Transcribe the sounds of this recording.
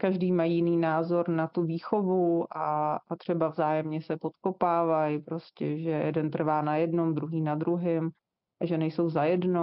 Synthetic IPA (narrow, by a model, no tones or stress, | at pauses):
kaʒdiːmajijɪniːnaːzo̞ɾnat̪uviːxo̞vuʔat̪r̥ɛbavzaːjɛmɲɛsɛpo̞t̪ko̞paːvajpɾo̞scɛʒɛjɛ̰dɛnt̪r̩vaːnajɛdno̞md̪ɾuɦiːnad̪ɾuɦɪm | ʔaʒɛnɛjso̞wzajɛdno